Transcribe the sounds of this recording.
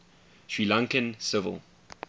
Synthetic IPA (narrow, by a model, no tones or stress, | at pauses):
ʃɹiːlãŋkə̃nsɪvə̰lˠ